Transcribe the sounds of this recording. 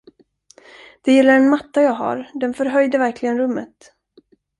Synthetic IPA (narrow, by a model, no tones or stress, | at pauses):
d̪̥ɛjɪlːaɾɛnmat̪ːajɑːɡɦa̰ɾd̪ɛnfœɾɦœjd̪əvæɾklɪɡənɾɵmːə̰t̪